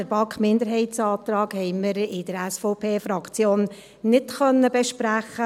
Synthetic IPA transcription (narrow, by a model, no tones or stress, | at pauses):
əɾbɑkχmɪndəɾɦɛɪtsɑːt̪ɾɑːɡhɛɪməɾɪd̥əɾɛsfoːpʰeːfɾɑkt͡sjoːnː | ɪtχœnːəbɛʃpɾæχə